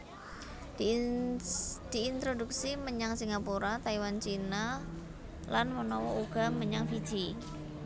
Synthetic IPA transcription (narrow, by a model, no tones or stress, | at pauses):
d̪̥i̤ːnt̪ɾoduksiməɲaŋsiŋɡapuɾat̪aiwant͡ʃina | lanmənɔwɔʔuɡ̥a̤məɲaŋfid̥d͡ʒ̥i